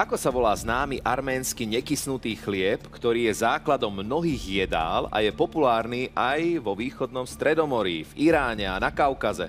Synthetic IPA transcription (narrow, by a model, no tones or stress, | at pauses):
akɔsaʋɔlaːznaːmiʔaɾmɛːnskiɲɛkisnut̪iːxlɪɛpkt̪ɔɾiːjɛzaːklad̪ɔmːnɔɦiːɣjɛd̪a̰ːla̰jɛpɔpulaːɾniːʔajʋɔʋiːxɔd̪nɔmst̪ɾɛd̪ɔmɔɾḭːviɾaːɲɛanakaʊkazɛ̰